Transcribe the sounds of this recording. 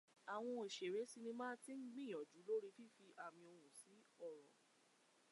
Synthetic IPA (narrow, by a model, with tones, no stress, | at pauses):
a˨w̃ɔ̃˧e˨ʃe˨ɾe˨˦si˧nĩ˧mãː˦ti˦ŋ͡m̩˦ɡ͡bĩ˦˨ɔ̃˨d͡ʒu˨˦lo˦ɾi˦fi˦fi˧ʔa˨mĩ˧o˧ɾ̃ũ˨si˨˦ɔ˦˨ɾɔ˨